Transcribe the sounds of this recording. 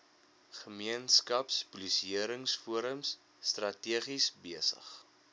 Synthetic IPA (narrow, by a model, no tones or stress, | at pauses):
χəmiənskɐpspulisiəɾəŋsfuəɾəmsː | trɐtiəχisbiəsə̰χ